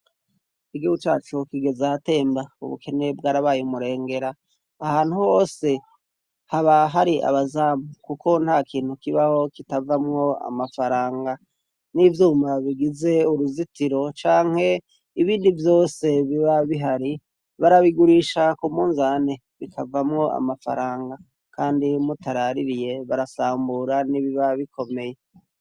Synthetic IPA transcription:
kiɡout͡ʃa̰ːt͡ʃokiɡe̞zaate̞ːmbaṵβṵkʰe̞ne̞b̚ɡaːɾaβaːjumuɾe̞ːŋɡe̞ɾaː | haːn̥huho̞ːse̞ | haβaɦaɾiʔa̰βazaːmukuko̞n̥haːkʰiːn̥hukiβaho̞kitavamŋo̞a̰mafaɾaːŋɡa | nivjuːmaβiɡize̞uɾuzitiɾo̞t͡ʃaːŋ̥he̞ | iβiːndivjo̞ːse̞βiβaβiɦaɾi | βaɾaβiɡuɾiʃakumuːnzane | βikʰavamŋo̞ʔa̰mafa̰ɾaːŋɡa | kʰaːndimutaɾaɾiɾije̞βaɾasaːmbuɾaniβiβaβikʰo̞me̞je

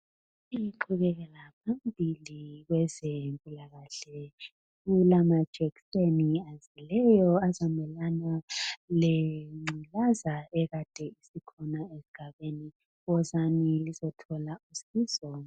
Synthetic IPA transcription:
iǃʰuɣɛɣɛlapʰambʱiliɣwɛzempʼulaɣaɬɛ | ulamad̥ʒ̥ʱɛkiseniazilɛjɔazamɛlanaleŋ͡ǀilazaɛɣad̥ʱɛisikʰɔnaesi̥ɡ̥ʱaβeni | ɣɔzanilizɔtʰɔlausiːzɔ

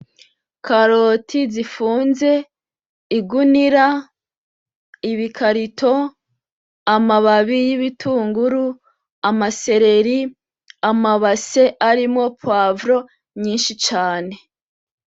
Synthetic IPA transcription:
kaɾotʰizifuːnze̞ | iɡuniɾa | iβikʰaɾitʰo̞ | amaβaβijiβitʰuːŋɡuɾu | amase̞ɾe̞ɾi | amaβase̞ʔaɾimŋo̞pwavɾo̞ | mɲiːnʃit͡ʃaːne̞

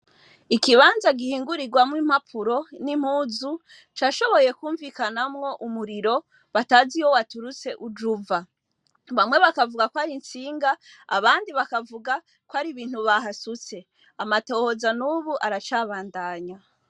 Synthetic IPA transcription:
ikiβaːnzaɡihiːŋɡuɾiɡwamwiːm̥apʰuɾo̞nim̥huːzu | t͡ʃaːʃo̞βo̞je̞kuːɱvikanamŋo̞ʔumuɾiɾo̞ | βataːziwo̞watuɾut͡se̞ʔud͡ʒuva | βamwe̞βakavuɡakwaɾint͡siːŋɡa | a̰βaːndiβakavuɡa | kwaɾiβiːn̥huβaɦasut͡se̞ | amato̞ːho̞zanuːβuʔaɾat͡ʃaːβaːndaːɲa

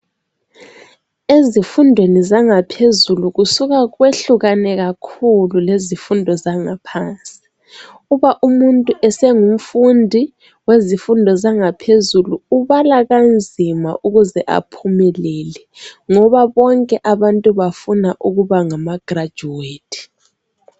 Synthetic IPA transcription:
ezifundʱwenizaŋapʰezuluɣusuɣaweɬuɣanɛɣakʰululezifundʱɔzaŋapʰant͡sʼi̥ | uβaʔumuntʼuʔɛsɛŋum̩fundʱi | wezifundʱɔzaŋapʰezuluuβalaɣand͡zʱima̰ʔuɣuzɛʔa̰pʰumɛlɛlɛ | ŋɔβaβɔŋkʼɛʔaβantʼuβafunaʔuɣuβaŋamaɡ̥rḁd͡ʒʱuweːtʰi̥

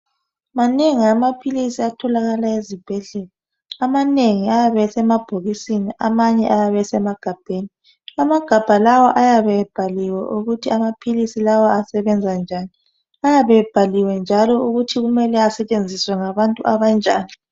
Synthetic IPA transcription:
maneŋiamapʰilisiatʰɔlaɣalaezib̥ʱɛɮɛlɔ | amaneŋiajaβɛsɛmab̥ʱoɣisiniʔamaɲɛʔajaβɛsɛmaɡ̥ʱab̥ʱeːni | amaɡ̥ʱab̥ʱalawɔʔajaβɛb̥ʱaliwɛʔuɣutʰiamapʰilisilawɔasɛβɛnd͡zʱand͡ʒʱaːni | ajaβɛb̥ʱaliwɛnd͡ʒʱalɔuɣutʰiɣumɛlɛasɛt͡ʃʼend͡zʱiswɛŋaβantʼuʔaβand͡ʒʱaːni

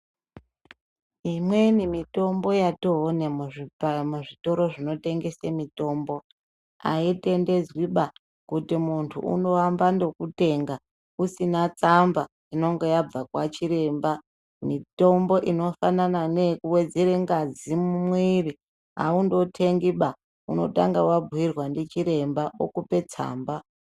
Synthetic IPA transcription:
imwenimito̞mbo̞jatoɦːnemuʐimuʐito̞ɾo̞ʐino̞te̞ŋɡesemito̞mbo̞ | a̰ite̞nde̞zwiɓa | kutimuntʰṵʔṵno̞wambando̞kute̞ːŋɡa | usinat͡samba | ino̞ŋɡe̞jab͡vakwat͡ʃiɾe̞mba | mito̞mbo̞ʔino̞fanananekuwe̞d͡zeɾeŋɡad͡zimumwiri | a̰undo̞tʰe̞ŋɡiɓa | uno̞̰ta̰ŋɡawabʱuwirwandet͡ʃiɾe̞mbao̰kupe̞t͡sa̰ːmba

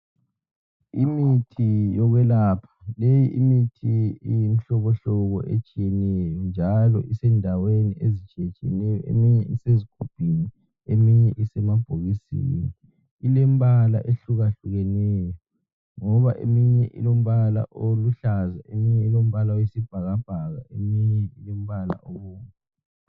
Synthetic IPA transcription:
imitʰijɔɣwɛlapʰḁlejiʔimitʰiijim̩ɬɔɣɔɬɔɣɔʔet͡ʃʼijɛnɛjɔnd͡ʒʱalɔ̰ʔisɛndʱaweniezit͡ʃʼɛt͡ʃʼɛnɛjɔḛmiɲɛiseziɡ̥ʱub̥ʱini | emiɲɛʔisɛmab̥ʱoɣisḭni | ilɛm̩βala̰ʔeɬuɣaɬuɣɛnɛjɔ | ŋɔβaʔḛmiɲɛʔḭlom̩βala̰ʔoluɬazaemiɲɛilom̩βalaojisib̥ʱaɣab̥ʱaɣa̰ʔemiɲɛilɛm̩βala̰ʔɔwɔːŋku

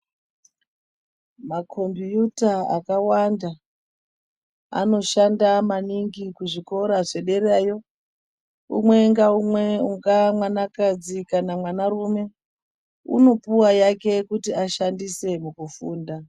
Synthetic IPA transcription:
makʰo̞mbijutaa̰kawanda | a̰no̞ʃandamaniŋɡikuʐiko̞ɾaʐe̞ɗe̞ɾaːjo̞ | ṵmwe̞ŋɡaumweuŋɡamwanakad͡zikanamwanaɾume̞ | ṵno̞puwajake̞kutiaʃandise̞mukufuːnda

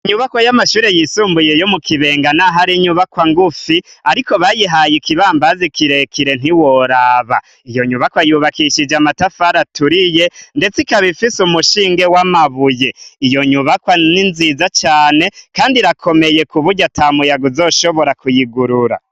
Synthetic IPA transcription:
ɲuβakwajamaʃuːɾe̞jisuːmbujejo̞mukʰiβe̞ːŋɡanaɦaɾiɲuβakwaŋɡufiaɾiko̞βajiɦajikiβaːmbazikiɾe̞kʰiɾe̞n̥iwoɾaːβa | ijo̞ɲuβakwajuβakiʃid͡ʒamatafaɾatuɾije̞nde̞t͡sikaβifisumuʃiːŋɡe̞wamaβujeijo̞ɲuβakwaninzizat͡ʃaːne̞kaːndiɾakʰo̞meje̞kuβuɟatʰamujaɡuzo̞ːʃo̞βo̞ɾakujiɡuɾuɾa̰

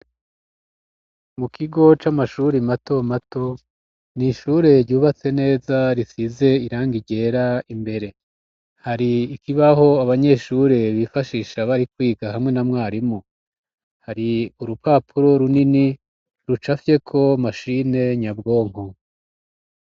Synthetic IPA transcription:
mukʰiɡo̞t͡ʃamaʃuɾimato̞mato̞ | niʃuːɾe̞ɾɟuːβat͡se̞ne̞ːzaɾisize̞iɾaːŋɡiɟe̞ːɾaimbe̞ɾe̞ | haɾiːkiβaho̞aβaɲe̞ʃuɾeβifaʃiːʃaβaɾikwiːɡaɦamŋe̞namŋaːɾimu | haɾiuɾupaːpʰuɾo̞ɾunini | ɾut͡ʃafje̞kʰo̞maʃine̞ɲabɡo̞ːŋ̥ho

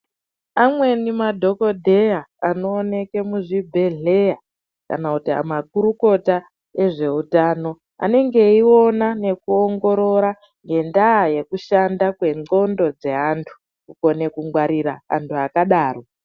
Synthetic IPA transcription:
amwe̞nimadʱo̞ko̞dʱe̞jaano̞ːne̞ke̞muʐibʱe̞ɮe̞ja | ka̰nakutia̰mak̚uɾuko̞ta | eʐe̞utaːno̞ | a̰ne̞ŋɡe̞io̞nane̞kuoŋɡo̞ɾo̞ɾa | ŋɡe̞ndaːje̞kuʃandakwe̞ŋ͡ǀo̞ndo̞d͡ze̞ɦantʰu̥ | kuko̞ne̞kuŋɡwaɾiɾa̰a̰ntʰuakaɗaːro̞

